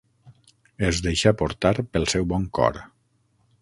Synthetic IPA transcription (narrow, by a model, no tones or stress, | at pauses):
ezd̪eʃapoɾt̪aɾpəlˠsɛwβɔŋkɔ̰ɾ